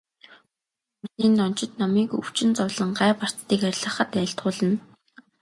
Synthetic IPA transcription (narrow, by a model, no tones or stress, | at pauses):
uɮiːnːɔn̥t͡ɕɪ̆t̪nɔmiːkɵ̰w̥t͡ɕɪ̆nt͡sɔwɮə̆ɴɢæːpar̥t͡st̪iːkæɾʲɮə̆χə̆t̪æːɬt̪χʊːɮə̆n